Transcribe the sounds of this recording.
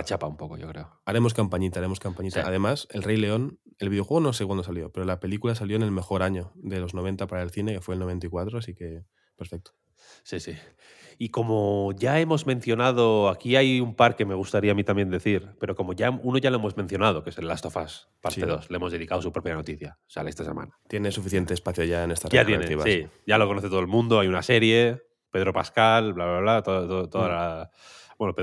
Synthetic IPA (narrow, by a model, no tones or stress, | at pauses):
at͡ʃapaumpoko̞̰ʝo̞̰kɾe̞oaɾe̞mo̞skampaɲit̪aɾe̞mo̞skampaɲit̪a̰ʔa̰ðe̞mase̞lre̞jle̞o̞n | e̞lβiðexweono̞s̬ekwand̪osaljo̞pe̞ɾolape̞likulasaljoenelme̞xo̞ɾaɲo̞ðe̞lo̞zno̞β̞e̞nt̪apaɾaelθine̞ke̞fwelno̞βe̞nt̪aikwat̪ɾoasike̞ | pe̞ɾfe̞k̚t̪o̥ | sisi | iko̞moʝae̞mo̞zmẽ̞nθjo̞nað̞o̞akiajumpaɾke̞me̞ɣ̞ust̪aɾiamit̪ambje̞nd̪e̞θiɾpe̞ɾo̞ko̞mo̞ʝauno̞ʝaloemo̞zmẽ̞n̟θjo̞nað̞o̞kese̞lːast̪o̞fas | paɾt̪eðo̞sleemo̞zðe̞ðikaosupɾo̞pjano̞t̪iθjasa̰laest̪asema̰nat̪je̞nesufiθje̞nt̪espaθjoʝaenest̪arat̪enet̪iβasiɟ͡ʝalo̞konoθet̪olmũnd̪o̞ajunase̞ɾje̞ | pe̞ð̞ɾo̞paskalβlaβaβlat̪oðt̪ot̪oðala | bwenope